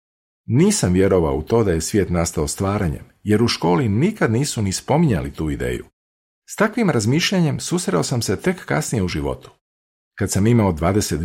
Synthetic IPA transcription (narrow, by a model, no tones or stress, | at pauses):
niːsamʋje̞ɾo̞ʋa̰o̰ut̪o̞ːd̪aje̞sʋjeːt̪nast̪aost̪ʋaːɾaɲḛmje̞ɾuʃko̞ːlinikad̪niːsunispo̞miɲa̰lit̪uːid̪ḛːjṵ | st̪akʋimɾazmiʃʎaɲe̞msusɾeosamse̞t̪e̞kːa̰snijeuʒiʋo̞̰t̪u̥ | kat̪samimaod̪ʋaːd̪e̞set̪